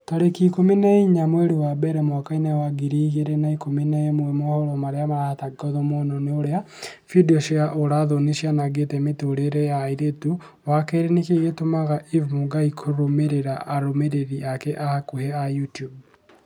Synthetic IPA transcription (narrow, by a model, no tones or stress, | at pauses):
toɾekikominɛiɲamweɾewabɛɾɛmwakainɛwaɡiɾiɣeɾenaikominɛemwɛmɔhɔɾɔmaɾeamaɾahataɡɔðɔmonɔneoɾea | fidiɔʃeaʔoɾaðoniʃjanaɡetɛmetoɾeɾɛjaiɾetu | wakɛɾenekeɣetomaɣaʔivmuŋɡaikʰoɾomeɾeɾaʔaɾomeɾeɾiakɛʔahakuhɛajutjub̚